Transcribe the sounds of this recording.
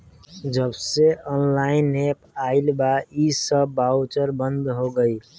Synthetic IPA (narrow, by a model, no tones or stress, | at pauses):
d͡ʒəbseɔnlainːepaɪlbaisəːawt͡ʃəɾbənd̪ɦoɡəj